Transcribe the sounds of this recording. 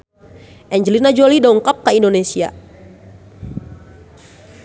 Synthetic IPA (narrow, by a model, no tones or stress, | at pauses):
ʔɛɲd͡ʒəlinad͡ʒolidɔuŋkɔp̚kəindonesia̰